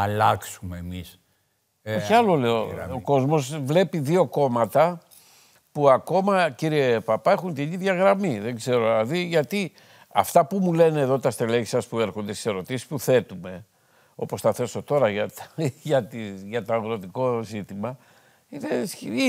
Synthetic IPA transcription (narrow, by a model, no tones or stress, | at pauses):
ɐlɐksumeːmis | oçiɐlo̞le̞ooko̞zmo̞zvle̞piðio̞ko̞mɐt̪ɐ | puɐko̞mɐciɾie̞pɐpɐe̞xunt̪iniðʝɐɣɾɐmiðeŋɡze̞ɾolɐðiʝɐt̪i | ɐ̰ft̪ɐpumule̞neːðo̞t̪ɐst̪eleʝi̥sɐspue̞ɾxond̪est̪ise̞ɾo̞t̪isi̥spuθe̞t̪ume̞ | o̞po̞sθɐθe̞so̞t̪o̞ɾɐʝɐt̪ʝɐt̪iʝɐt̪o̞ɐɣɾo̞t̪iko̞zit̪imɐ | iðesi